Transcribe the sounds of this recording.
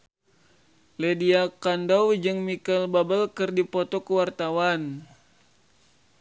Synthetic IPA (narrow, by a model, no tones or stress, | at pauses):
lediakandawd͡ʒɨŋmikəlbabəlkɨrdipot̪okəwart̪awan